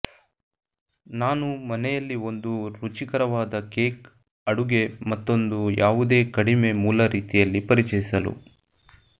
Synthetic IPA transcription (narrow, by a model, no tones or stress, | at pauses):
naːnumɐnɛjɐlːio̞nd̪uɾut͡ʃikɐɾɐʋaːd̪ɐke̞ːk | ɐɽuɡe̞mɐt̪ːo̞nd̪ujʔaːʋud̪e̞ːkɐɽime̞muːlɐɾiːt̪ijɐlːipɐɾit͡ʃɐjisɐlṵ